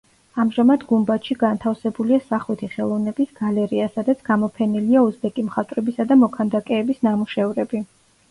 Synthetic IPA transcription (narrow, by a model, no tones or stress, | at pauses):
amʒamad̪ɡumbat̪ʃiɡant̪ʰafsɛbuliasaχwit̪ʰiχɛlˠɔvnɛbisɡalɛɾiasad̪at̪sʰɡ̥amɔpʰɛniliauzd̪ɛkʼimχat̪ʼɾɛbisad̪amɔkʰand̪akʼɛːbisnamuʃɛvɾɛbi